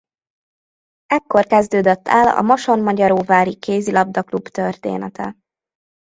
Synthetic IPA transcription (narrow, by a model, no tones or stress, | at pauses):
ɛkːo̞rkɛzd̪øːd̪øt̪ːɛlɒ̰moʃo̞nmɒɟɒɾoːvaːɾikʰeːzilɒb̚d̪ɒklubt̪ørt̪ḛːnɛt̪ʰɛ̰